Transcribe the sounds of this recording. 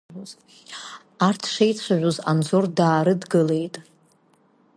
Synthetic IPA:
oz | artʰʂejt͡sʷʰaʕʷoza̰nd͡zʷordaːɾɨdɡɨle̞jtʼ

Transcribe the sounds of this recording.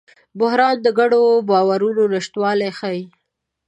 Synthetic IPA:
bʊhɾɑnd̪əɡaɽobɑwaɾunonɪʃt̪wɑlajxai

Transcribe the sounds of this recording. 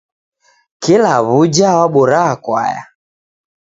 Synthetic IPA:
kilaβud͡ʒawaɓuɾaːkwa̰ja̰

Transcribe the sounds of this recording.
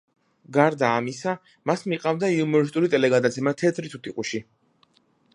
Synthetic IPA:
ɡaɾd̪aːmisa | masmiqʼavd̪aiumɔɾis̬t̪ʼuɾit̪ʼɛlɛɡad̪at̪sʰɛmat̪ʰɛt̪ʰɾit̪ʰut̪ʰiqʼuʃi

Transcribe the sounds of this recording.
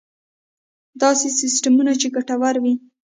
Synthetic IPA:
d̪ɑsesɪsʈamunat͡ʃeɡaʈawaɾwi

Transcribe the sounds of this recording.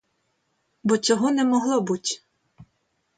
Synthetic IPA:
bɔt͡sʲɔɦɔnɛmɔɦlˠɔbutʲ

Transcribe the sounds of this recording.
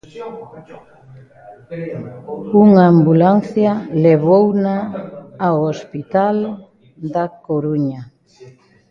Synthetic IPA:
uŋambulanθjaleβownaː | ospit̪al | d̪akoɾuɲa

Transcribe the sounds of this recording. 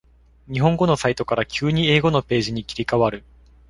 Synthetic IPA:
ɲ̟iɦõ̞ŋɡo̞no̞sait̪o̞kaɾakʲɨːɲ̟ie̞ːɡo̞no̞pe̞ːʑiɲ̟ikʲiɾʲikaβaɾɯ̟

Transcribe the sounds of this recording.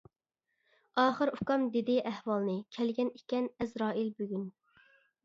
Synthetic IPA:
ɑːχəɾukɑmd̪ed̪ɪʔæhwɑlˠnɨkʲʰɛlɡʲɛnikʲɛnɛzɾɑːilbøɡʲyn

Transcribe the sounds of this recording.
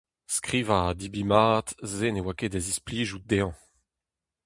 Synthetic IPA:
skʁiːvadibimaːt̪zenewakedazispliːʒud̪eɑ̃

